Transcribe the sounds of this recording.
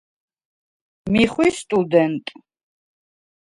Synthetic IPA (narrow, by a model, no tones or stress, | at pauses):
miχwist̪ʼud̪ɛnt̪ʼ